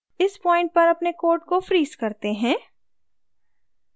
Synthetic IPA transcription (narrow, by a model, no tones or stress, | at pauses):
ɪspɔːɪ̃ɳʈ̚pɐɾɐpnekoːɾʈkofɾiːzkɐɾt̪eɦɛ̃ː